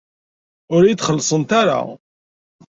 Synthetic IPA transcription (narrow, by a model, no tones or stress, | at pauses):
ʊɾjit̪ːχəlːsˤənt̪aɾa̰